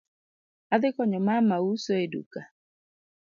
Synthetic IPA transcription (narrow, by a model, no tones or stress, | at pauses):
aðɪkɔɲɔmamausoedṵka